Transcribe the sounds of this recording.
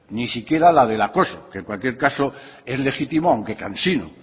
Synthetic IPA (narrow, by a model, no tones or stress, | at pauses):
nisikje̞ɾalaðe̞lako̞soke̞ŋkwalkje̞ɾkaso | e̞zle̞xit̪imoawŋke̞kansino̰